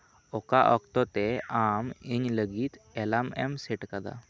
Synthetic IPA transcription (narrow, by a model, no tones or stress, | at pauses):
ɔkaʔɔkt̪ɔt̪ɛamiɲləɡit̪ɛlamɛmsɛʈkad̪a̰